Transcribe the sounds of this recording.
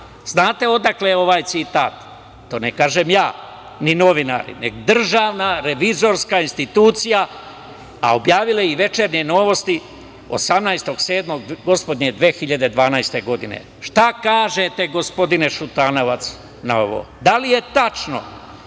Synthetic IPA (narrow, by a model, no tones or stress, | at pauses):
z̥naːt̪e̞o̞d̪akleo̞ʋaːjt̪sit̪aːt̪ː | oːnekaːʒemjaː | nino̞ʋina̰ːɾḭnḛɡod̪r̩ʒaːʋnaɾe̞ʋizo̞ɾskainst̪it̪uːt̪sija | a̰objaːʋileiʋe̞t͡ʃeɾɲe̞no̞ʋo̞st̪i | o̞̰samnajst̪o̞ɡse̞ːd̪mo̞ɡɡo̞spo̞d̪ɲe̞d̪ʋeːxiʎad̪e̞d̪ʋaːnajst̪e̞ɡo̞d̪inḛ | ʃt̪akaːʒet̪eɡospo̞d̪ine̞ʃut̪aːno̞ʋat̪s | nao̞ʋo̰ | d̪alije̞t̪at͡ʃno̞̰